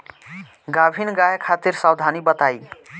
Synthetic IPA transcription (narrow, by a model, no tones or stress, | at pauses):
ɡabʱinɡajəkʰat̪iɾsawd̪ʱanibət̪aj